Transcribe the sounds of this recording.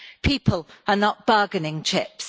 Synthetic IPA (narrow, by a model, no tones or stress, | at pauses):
pʰiˑpʰələnəʔb̥ɜːɡənɪ̃ŋt͡ʃʰɪps